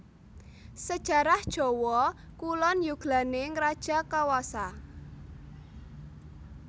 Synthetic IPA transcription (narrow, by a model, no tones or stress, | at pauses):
səd̥ʒ̥ä̤ɾahd̥ʒ̥ɔ̤wɔ | kulɔnjuɡ̥la̤neŋɾad̥ʒ̥a̤kawasa